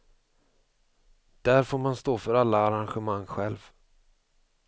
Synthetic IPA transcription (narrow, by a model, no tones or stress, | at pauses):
d̪̥æɾfoːɾmanst̪oːfœɾalːaːɾanɧɛmaŋːɧɛlv